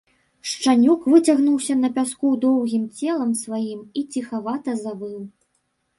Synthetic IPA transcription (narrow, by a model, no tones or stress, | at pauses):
ʂt͡ʂanʲukvɨt͡sʲaɣnuwsʲɐnɐpʲaskud̪ɔwɣʲimt͡sʲɛlˠɐmsvajimit͡sʲixavat̪ɐzabɨw